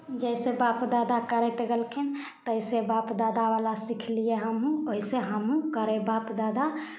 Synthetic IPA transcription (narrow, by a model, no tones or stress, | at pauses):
d͡ʒəjsebapd̪ad̪akəɾɛt̪ɡɛlkʰin | t̪əjsebapd̪ad̪abalasikʰlijeɦəmɦũoɦiseɦəmɦũkəɾɛbapd̪ad̪a